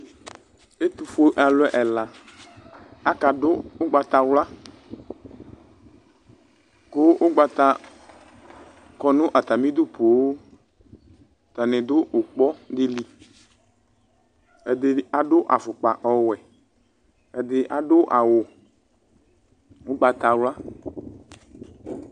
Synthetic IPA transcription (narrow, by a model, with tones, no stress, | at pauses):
e˦t̪u˨fo˦ʔa˨lʊ˦ɛ˦˨ʔɛ˨la˨ | a˦ka˨dʊ˦o˦ɡ͡ba˨t̪a˨wla˦ | ko˦ʔo˦ɡ͡ba˨t̪a˦ | kɔ˨nũ˦ʔa˨t̪a˨mĩ˦d̪u˦po˨wo˦ | t̪a˨nẽ˨d̪o˦o˨k͡pɔ˦d̪ɪ˦li˨ | e˨d̪e˨a˨ɖo˦ʔa˨fʊ˨k͡pa˨ʔɔ˨wɛ˨ | e˨d̪ɪ˨ʔa˨ɖo˦ʔa˨wo˨ | wo˦ɡ͡ba˨t̪a˨wla˦